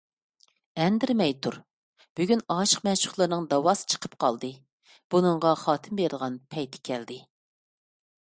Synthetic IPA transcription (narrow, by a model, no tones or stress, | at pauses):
ɛnd̪ɪɾmɛjt̪ʰuɾ | b̥yɡʲynɑːʃə̥qmɛt͡ʃʰʊ̥χlˠɨɾnɨŋd̪ɑwɑsɨ̥t͡ʃʰə̥qʰə̥pqʰɑ̰lˠd̪ɨ | b̥unɨŋʁɑχɑːt̪ʰɨmbeɾɨlˠʁɑnpʰɛjt̪ʰɪ̥kʲʰɛld̪ɪ